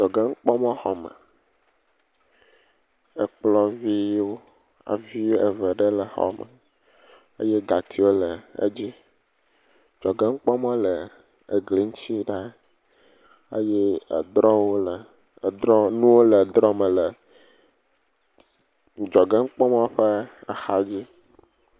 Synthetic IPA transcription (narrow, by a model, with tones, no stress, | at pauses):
d͡ʒɔ˨ɡɛ˦ŋ̩˦k͡pɔ˦mɔ̃˦xɔ˨mɛ̰˨ | e˨k͡plɔ˦vi˦wo˦ | a̰˨vi˦wo˦ʔe˨vɛ˨ɖe˦lə˨xɔ̰˨mɛ̰˨ | ḛ˦je˦ɡa˨t̪ʰi˨wo˦lə˨ḛ˦d͡ʑi˦ | d͡ʒɔ˨ɡɛ˦ŋ̩˦k͡pɔ˦mɔ̃˦lə˨ | e˨ɡli˨˦ŋ̩˦t͡ɕi˦ɖa˦ | e˦jɛ˦˨d̪ɾɔ˦wo˦˨ | ɾɔ˦nũ˦wo˦lə˨d̪ɾɔ˦mɛ̃˨lə˨ | d͡ʒɔ˨ɡɛ˦ŋ̩˦k͡pɔ˦mã˦ɸe˦a˨xa˦d͡ʑi˦